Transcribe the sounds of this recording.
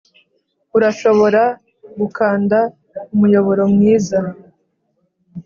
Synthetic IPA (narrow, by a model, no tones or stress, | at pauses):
uɾaʃo̞βo̞ɾa | ɡukʰaːnda | umujo̞βo̞ɾo̞mŋiːza